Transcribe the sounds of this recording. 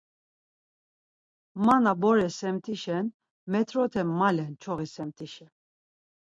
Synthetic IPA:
manabɔɾɛsɛmt̪ʰiʃɛn | mɛt̪ʰɾɔt̪ʰɛmalɛnt͡ʃʰɔʁisɛmt̪ʰiʃɛ

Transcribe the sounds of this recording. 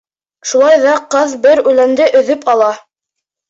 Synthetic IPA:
ʃulˠɑjðɑqɤðbɘɾʉlænd̪ɘʔɵ̆ðɵpɑlˠɑ

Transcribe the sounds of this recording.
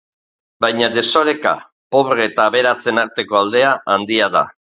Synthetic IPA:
bajɲaðe̞soɾe̞ka̰ | po̞βreːt̪aːβe̞ɾat͡se̞naɾt̪e̞ko̞ald̪e̞aʔand̪iað̞a̰

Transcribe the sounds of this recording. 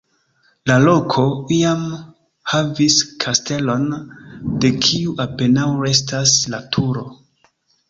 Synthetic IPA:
lalo̞kʰo̞iam | haviskʰaste̞lo̞nde̞kʰiuʔape̞nawɾe̞s̬taslatʰuɾo̞

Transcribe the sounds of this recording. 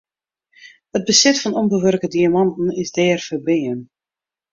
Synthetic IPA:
həd̚bəsɛtfɔnɔmbəʋørkədiamɑntn̩ɪzdɛːrfərbɪən

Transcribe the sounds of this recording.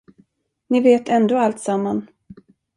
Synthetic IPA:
nɪveːt̪ʰɛnd̪oːalt̪samːan

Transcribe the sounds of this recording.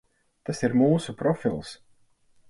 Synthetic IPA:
t̪asiɾmuːsupɾɔfilˠs

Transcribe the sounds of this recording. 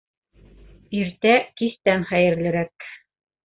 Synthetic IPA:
iɾt̪ækist̪ænχæjɘ̆ɾlɘ̆ɾæk

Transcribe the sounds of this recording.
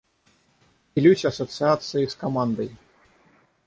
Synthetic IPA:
pʲilʲusʲɐsɐt̪sɨat̪sɨjiskamand̪ɐj

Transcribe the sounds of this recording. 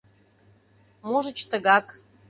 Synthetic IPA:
moʒə̆t͡ɕt̪ə̆ɣɑk

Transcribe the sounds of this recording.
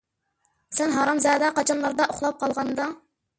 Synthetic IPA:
sɛnɦɑɾɑmzɛːd̪ɛqɑt͡ʃʰɑnlˠɑɾd̪ɑʔoχlˠɑp̚qʰɑlˠʁɑnd̪ɑ

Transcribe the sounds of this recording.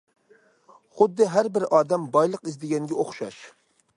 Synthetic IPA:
χʊd̪ːɨɦæɾbɪɾɑːd̪ɛmbɑjlˠəqizd̪ɪɡʲɛŋɡʲɛoχʃɑ̰ʃ

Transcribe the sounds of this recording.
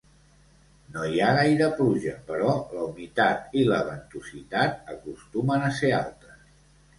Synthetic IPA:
nojaɣajɾəpluʒəpəɾɔləunit̪at̪iləβənt̪usit̪at̪̚əkust̪umənəsea̰lˠt̪ə

